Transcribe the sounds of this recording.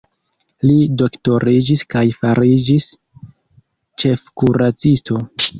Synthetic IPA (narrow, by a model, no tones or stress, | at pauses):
lido̞kto̞ɾid͡ʒiskajfaɾid͡ʒis | t͡ʃe̞fkuɾat͡sisto̞